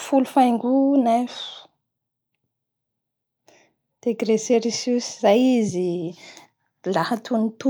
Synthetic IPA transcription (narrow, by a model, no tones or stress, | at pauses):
fulufajŋɡunɛfu̥ | d̪̥eɡɾeseɾisusizajizi | lahat̪unit̪u